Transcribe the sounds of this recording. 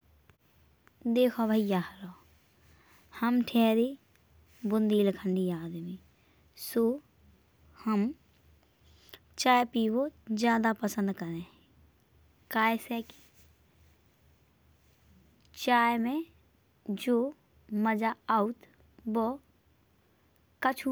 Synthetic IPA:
d̪eːkʰobʱəijaɦɾɔ | həmʈʰɛːɾi | bʊnd̪iːlkʰəɳɖiaːd̪mi | soː | həm | t͡ʃaːjepiːwod͡ʒjaːd̪apəsə̃nd̪kəɾẽ | kaːeseki̥ | t͡ʃaːjmẽ | d͡ʒoː | məd͡ʒaaːut̪ | bo | kət͡ʃʰu

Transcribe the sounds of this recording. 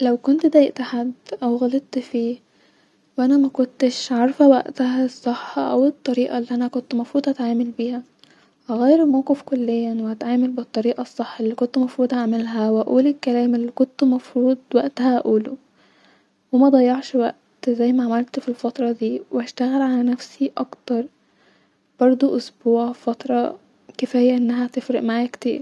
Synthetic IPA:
læwkont̪d̪æːjeʔt̪aħad̪ːʔæwɣælet̪ːfiː | wʔænæmækont̪eʃʕɑɾˤfæwæ̰ʔt̪æhæsˤːeħːɑʔæwet̪ˤːɑɾiːʔɑlːiːʔænækont̪mɑfɾuːd̪ˤʔæt̪ʕaːmelbiːhæ | ʔæɣæːjeɾelmæwqefkolːejːæweʔæt̪ʕaːmelbet̪ˤːɑɾiːʔɑsˤːeħːɑelːiːkont̪mɑfɾuːd̪ˤʔæʕmelɦæwʔæʔuːlelkːælæːmelːiːkont̪mɑfɾuːd̪̚ˤwæʔt̪æhæʔʔuːlo | wemæd̪ˤɑjːɑʕʃwæ̰ʔt̪zæjːmæʕamælt̪filfɑt̪ɾˤɑd̪iːweæʃt̪æɣælʕalænæfsiʔɑkt̪ɑɾˤ | b̥ɑɾˤd̪ˤoʔosbuːʕfɑt̪ɾˤɑ | kefejːæʔenːæɦæt̪efɾeʔmaʕajækt̪ḛːb

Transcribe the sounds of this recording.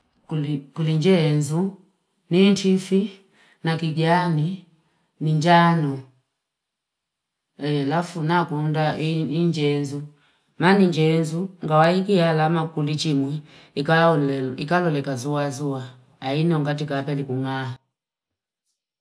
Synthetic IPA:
kuliɲd͡ʒɛnzu | nintʰifi | nakiɡani | niɲd͡ʒanɔ | ɛlafunakundaiɲd͡ʒɛnzu | maniɲd͡ʒɛnzuŋɡawaikihalamakulit͡ʃimwɛ | ikalaulɛlɔikalɔlɛkazuazuaː | inɔŋɡatikapɛlikuŋaa

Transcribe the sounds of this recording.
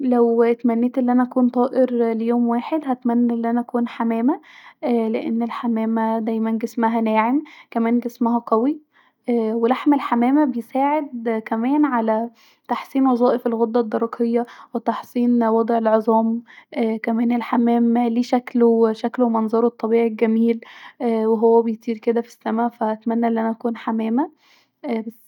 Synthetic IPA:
læwt̪mænːeːt̪ʔelːʔænæʔækuːnt̪ˤɑːʔeɾlejoːmwaːħed̪hæt̪mænːʔelːʔænæʔækuːnħamæːmæʔleʔenːelħamæːmæd̪æjmænɡesmæɦænæːʕemkæmæːnɡesmæɦæqæwi | welaħmelħamæːmæbejesaːʕed̪̚kæmæːnʕalæ | t̪aħsˤiːnwɑzˤɑːʔefelɣod̪ˤːɑd̪ːɑɾˤɑqʰejːɑwet̪ɑħsˤiːnwɑd̪ˤʕelʕezˤɑːmʔkæmæːnelħamæːmliːʃækloʃæklomɑnzˤɑːɾˤet̪ˤːɑbiːʕilɡæmiːlweɦowːæbejt̪ˤiːɾked̪æfi̥sːæmæfæʔæt̪mænːæʔenːʔænæʔækuːnħamæːmæ | ʔbæs

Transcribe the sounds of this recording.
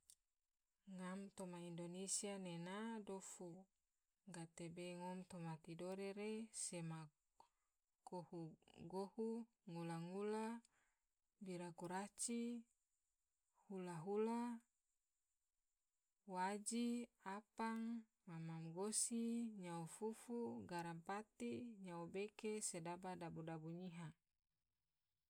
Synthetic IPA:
ŋamt̪omaindonesianenadofu | ɡat̪ebeŋɔmt̪omat̪idoɾeɾesema | kohuɡohu | ŋulaŋula | biɾakuɾat͡ʃi | hulaɦula | wad͡ʒiapaŋ | mamamɡosiɲaufufuɡaɾampat̪iɲaubekesedabadabudabuɲiɦa

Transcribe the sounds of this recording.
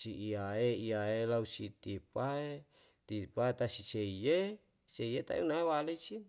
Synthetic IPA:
siiaeiaelausit̪ipae | t̪ipaet̪asiseije | seijet̪a̰ḭunaewalesin

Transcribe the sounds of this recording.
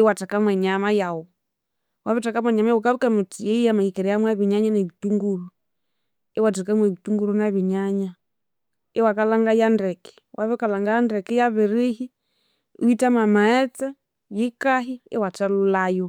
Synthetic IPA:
ɛwatakamwɛɲamajawɔ | waβɛtakamwɛɲamajawukaβukamutiɛijamaikɛɾɛjamwaβiɲaɲanɛβituŋɡulu | ɛwatakamwɛβituŋɡuɾunaβiɲaɲa | ɛwakalaŋɡajandɛkɛ̥ | waβɛkalaŋɡajandɛkɛjaβiɾihi | uitamamaɛt͡sa | jikaɦiɛwatalulajɔ

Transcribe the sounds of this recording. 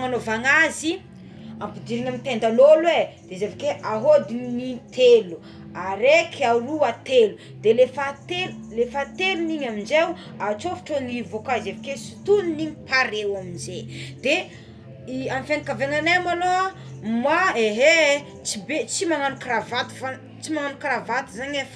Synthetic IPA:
ŋanovaŋazi | ampid̪iɾiɲamit̪end̪aloled̪̥ezevakeʔaɦod̪innit̪elu | aɾekaruat̪elu | d̪elefat̪ellefat̪eluniɲamind͡ʒew | at͡ʃofi̥ʈ͡ʂonivokazevakesi̥t̪uniniɲipaɾewaminzed̪̥e | ianfenikaveŋanemaloa | maeɦe | t͡sibet͡simananukɾavat̪i̥fa | t͡simananukɾavat̪izaɲef

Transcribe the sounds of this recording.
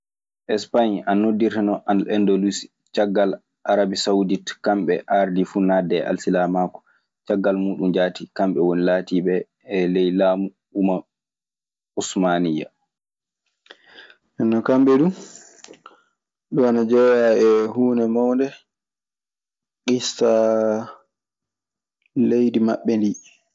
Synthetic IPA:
ʔɛspaɲannːodːiɾɛnɔʔanɛndolusi̥ | t͡ʃaɡːal | ʔaɾabisauditkamɓɛ̰ʔaɾdifunadɛʔa̰lsilamakɔ̥ | t͡ʃaɡːalmuːɗumd͡ʒaːtikamɓɛwonilaːtiɓɛː | lɛjlaːmu | uma | usmanija̰ | ɛnːɔkamɓɛdu | ɗɔanad͡ʒɛjaɛhuːnɛmawndɛ | kista | lejdima̰ɓːɛndi

